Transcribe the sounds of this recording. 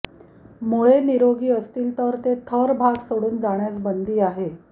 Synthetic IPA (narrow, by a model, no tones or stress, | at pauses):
moɭeniɾoɡiːəst̪iːlt̪əɾt̪et̪ʰəɾbʱaɡsoɽuːnd͡zaɳjat͡sbənd̪ʱiːaɦe